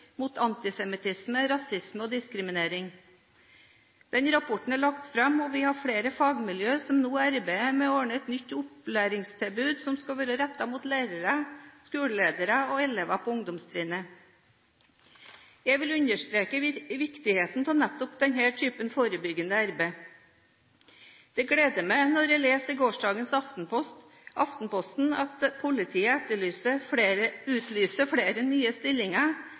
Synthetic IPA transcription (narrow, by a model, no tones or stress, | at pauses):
muːt̪ʰɑnt̪ɪsɛmɪt̪ʰɪsməɾɑsɪsməoːd̪ɪskɾɪmɪneːɾɪŋ | d̪̥ɛnɾɑpʰɔʈɳ̩æɭɑkt̪fɾɑmɔʋɪhɑɾfɽeːɾəfɑːɡmɪljøːsɔmnuːæɾbæɪmɛɔɳəɛt̪nʏt̪ːʊplæːɾɪŋst̪ʰɪlbʉːd̪sɔmskɑʋøːɾəɾɛt̪ːɑmuːt̪læːɾəɾəskʉːɽəleːd̪əɾəoɛleːʋɑpʰɔʊŋd̪ɔmst̪ʰɾiːnə | jɛɪʋɪlʉɲəʂt̪ɾeːkəʋɪkt̪ɪheːt̪n̩t̪ʰɛlnɛt̪ːɔpd̪ɛnɦæːʈʰyːpənfoːɾəbʏɡənəæɾbeɪ | d̪̥ɛɡɽeːd̪əmæɪnɔɾjɛleːsɪɡoːʂɖɑːɡənsɑft̪n̩pʰɔst̪ | ʔɑft̪n̩pɔst̪n̩ɑt̪pʰʊlɪt̪ʰiːəæt̪ːəɭyːsəfɽeːɾəʉːt̪lyːsəfɽeːɾənyːəst̪ɪlːɪŋɑ